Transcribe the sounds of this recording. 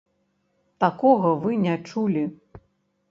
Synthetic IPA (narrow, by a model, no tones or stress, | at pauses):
t̪akɔɣɐvɨnʲɛt͡ʂulʲi